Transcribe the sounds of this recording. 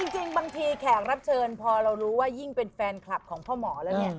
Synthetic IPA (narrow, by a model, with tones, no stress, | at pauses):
t͡ɕi˧ŋt͡ɕi˧ŋbaː˧ŋt̪ʰiː˧kʰɛː˨˩k̚ɾa˦˥p̚t͡ɕʰɤː˧npʰɔː˧ɾa˧wɾuː˦˥waː˥˩ji˥˩ŋpe˧nfɛː˧nkʰla˨˩p̚kʰɔː˩˦ŋpʰɔː˥˩mɔː˩˦lɛː˦˥wni˥˩ɐ